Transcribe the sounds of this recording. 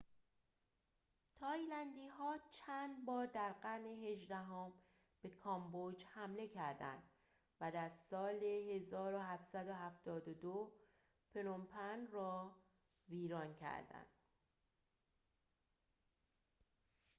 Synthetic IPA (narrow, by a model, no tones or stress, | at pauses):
t̪ʰɒːjlænd̪iːɦɒːt͡ʃʰænd̪bɒːɾd̪æɾɢæɾne̞ɦe̞ʒd̪æɦom | b̥e̞kʰɒmbod͡ʒhæmle̞cʰæɾd̪æ̰nd̪̥ | væd̪æɾsɒːle̞he̞zɒːɾohæftsæd̪oɦæft̪ɒːd̪od̪o | pʰe̞nompʰænrɒː | viːɾɒːncʰæ̰ɾd̪æ̰nd̪̥